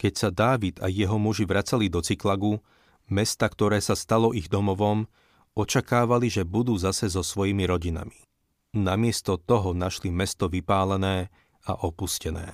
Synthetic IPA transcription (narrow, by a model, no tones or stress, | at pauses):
kɛcsad̪aːʋid̪a̰jɛɦɔmuʒiʋɾat͡salid̪ɔt͡siklaɡu | mɛst̪akt̪ɔɾɛːsast̪alɔʔiɣd̪ɔmɔʋɔm | ɔt͡ʃakaːʋaliʒɛbud̪uːzasɛzɔsʋɔjimiɾɔɟina̰mi | namɪɛst̪ɔt̪ɔɦɔnaʃlimɛst̪ɔʋipaːlɛnɛː | a̰ʔɔpuscɛnɛ̰ː